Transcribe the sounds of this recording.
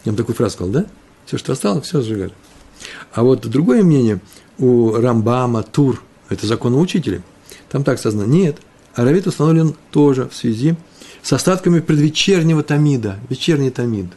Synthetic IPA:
amt̪ɐkujʊfɾazʊskɐzalˠd̪a | fsʲoʂt̪oɐst̪alˠəfsʲozʐɨɡa̰lʲɪ | avo̞t̪d̪ɾʊɡo̞jəmnʲenʲɪjə | urɐmbamət̪ur | ɛt̪əzɐko̞nəʊt͡ɕitʲɪlʲɪ̰ | t̪amt̪akskazənənʲet̪ | ɐɾɐvʲit̪ʊst̪ɐnovlʲɪnt̪o̞ʐɨfsvʲɪzʲi | sɐst̪at̪kəmʲɪpɾʲɪd̪vʲɪt͡ɕːernʲɪvət̪ɐmʲid̪əvʲɪt͡ɕːernʲɪjt̪ɐmʲid̪

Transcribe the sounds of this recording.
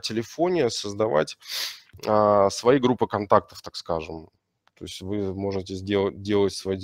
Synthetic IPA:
tʲɪlʲɪfo̞nʲɪjəsəzd̪ɐva̰tʲ | əsvɐjiɡɾupːɨkɐnt̪ak̚t̪ə̥ft̪akskaʐɨm | t̪o̞̰ɪsʲtʲvɨmo̞ʐɨtʲɪzʲdʲeədʲe̞lˠətʲsvɐji

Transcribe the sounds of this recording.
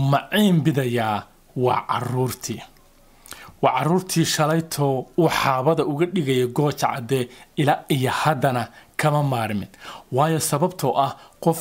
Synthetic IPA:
mɑʕiːmbɪðɐjaː | wɑ̰ːʕɑ̰ruːrt̪ʰiː | wɑʕɑɾuːrt̪ʰiːʃɐlɐjt̪ʰɔħɑːβɐðɐʊɣɐɖɪɣɐjɛɡɔːt͡ʃʕɑ̰d̪ɛɪlaːijɔhɐd̪ɐnɐkʰɐmɐmaːɾmɪnwɑːjɔsɐβɐbt̪ʰɔʔɐhqɔf

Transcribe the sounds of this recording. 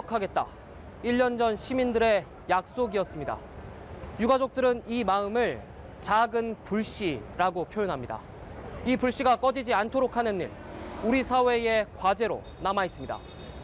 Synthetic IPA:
kʰaɡe̞t̚t͈a̰ | iʎːʌnd͡ʑʌnɕʰimindɯɾe̞ | jak̚s͈oɡiʌs͈ɯmɲida̰ | juɡad͡ʑok̚t͈ɯɾɯnimaɯmɯɭ | t͡ɕaɡɯnpuɭɕ͈iɾaɡopʰjojonɦamɲida̰ | ipuɭɕ͈iɡak͈ʌd͡ʑid͡ʑiantʰoɾokʰanɯnːḭɭ | uɾisʰawe̞e̞kwad͡ʑe̞ɾo̰ | namais͈ɯmɲida̰

